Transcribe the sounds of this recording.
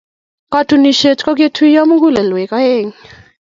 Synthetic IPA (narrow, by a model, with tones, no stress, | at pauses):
ka˦tʰu˨ni˨ʃɛ˨t͡ʃʼka˦k̬e˦tʰui˦ja˦mu˦k̬u˦lɛ˨lwɛ˨ka˦jɛ˦˨ŋi˨